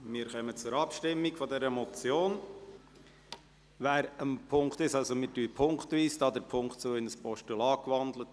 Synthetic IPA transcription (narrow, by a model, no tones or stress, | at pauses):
mɪːɾχœmət͡sʊɾɑpʃtɪmːikfɔdɛɾəmɔt͡sjoːn | ʋæːɾəmpʰʊŋkt̪ɪʃɑlsomɪtyːəpʰʊŋktʋiːsd̥ɑːd̪əɾpʰʊŋktt͡soːɪnəspɔʃtulɑːkʋɑnd̪lət